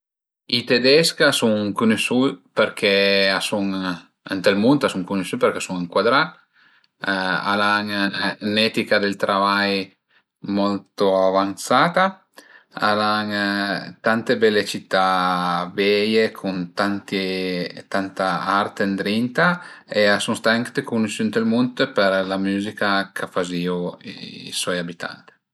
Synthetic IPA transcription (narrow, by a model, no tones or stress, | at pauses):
it̪ed̪ɛskasuŋkunesupeɾkʰɛasuŋ | ent̪elmunt̪asuŋkunesupeɾkesuŋiŋkwad̪ɾa | a̰laŋnɛt̪ikad̪elt̪ɾʔavaj | mɔlt̪oavant̪saːt̪a | a̰laŋt̪ant̪ebɛlːet͡ʃit̪ːabɛjekʰunt̪ant̪et̪ant̪aart̪end̪ɾint̪aeasuŋst̪aaŋkd̪ekunusunt̪elmunt̪peɾlamuːzikakʰafazioḭiswɔjabit̪ʰa̰nt̪i̥